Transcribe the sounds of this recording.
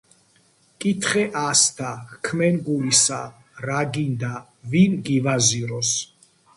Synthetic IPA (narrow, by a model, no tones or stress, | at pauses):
kʼit̪ʰχɛʔasd̪ʰakʰmɛnɡulisa | ɾaɡind̪a | vinɡivaziɾɔs